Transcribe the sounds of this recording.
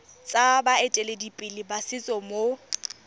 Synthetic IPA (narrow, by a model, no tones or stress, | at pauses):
t͡sʼabaetʼeledipʼɪlɪbasɪt͡sʼɔmo